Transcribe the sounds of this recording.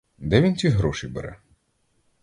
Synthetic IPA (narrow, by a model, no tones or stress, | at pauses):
d̪ɛʋʲint͡sʲiɦɾɔʃijbɛ̰ɾɛ̰